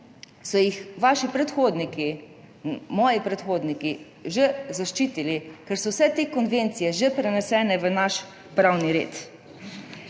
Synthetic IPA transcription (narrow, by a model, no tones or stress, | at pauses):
sɔjixʋaːʃipɾɛt̪xoːd̪niki | mɔːjipɾɛt̪xoːd̪niki | ʒezaʃt͡ʃiːt̪ilikɛɾsɔwsɛt̪ekɔnʋeːnt̪sijɛʒepɾɛnɛsɛːnɛʋənaʃ | pɾawniɾḛːt̪